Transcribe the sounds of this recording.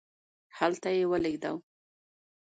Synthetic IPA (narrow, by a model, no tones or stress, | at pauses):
halt̪ajewəleɡd̪a̰w